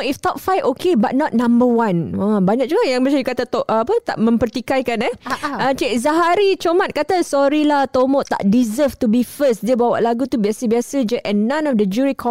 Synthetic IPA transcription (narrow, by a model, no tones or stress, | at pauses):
ift̪ɔp̚fajfokebat̪̚nɔt̪̚nãmbəwãnabaɲak̚d͡ʒuɡaʔjaŋbəsad͡ʒukat̪at̪ɔʔ̚əapət̪a̰ʔmə̃mpərt̪ikajkanɛət͡ʃeʔzaɦaɾit͡ʃomãt̪̚kat̪asɔɾilat̪omɔʔt̪a̰ʔdizəft̪ubifəsdiəbawa̰ʔlaɡut̪ubiasəbiasəd͡ʒəʔɛ̃nːãnɔfdəd͡ʒuɾikʰɔ